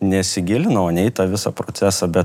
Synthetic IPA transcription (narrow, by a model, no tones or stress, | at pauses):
nʲɛsʲɪɡʲɪlʲɪnɐoːnʲɛɛɪt̪ɐʋʲɪsɑpɾoːtsʲæsɑbʲɛt̪